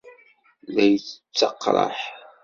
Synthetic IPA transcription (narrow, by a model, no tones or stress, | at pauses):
læjət͡sːt͡sːɑqːɾˤə̰ħ